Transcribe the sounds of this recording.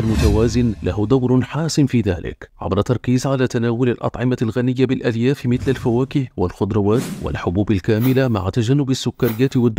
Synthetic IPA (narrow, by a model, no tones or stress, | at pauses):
almʊt̪awaːzɪnlahʊd̪ˤawɾħaːsɪmfiːða̰ːlɪ̰kʕa̰bɾˤɑt̪ɑɾˤkiːzʕalaːt̪anaːwʊlalʔɑ̰t̪ˤʕɪmalɣanɪjːabɪlʔad̪jaːfmɪθlalfawaːkɪhwalxʊd̪ɾˤɑwaːt̪wa̰lħʊbuːbalkaːmɪlama̰ʕat̪ad͡ʒanːʊbasːʊkːaɾɪjːaːt̪ɪwad̪ː